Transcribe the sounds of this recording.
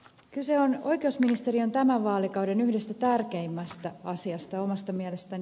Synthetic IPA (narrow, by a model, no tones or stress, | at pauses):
kyseono̞jkeusminist̪e̞ɾio̞nt̪æmæʋʋɑːlikɑwde̞nyhde̞st̪æt̪ærkeimːæst̪æɑsiɑst̪ɑjo̞mɑst̪ɑmiæle̞st̪æn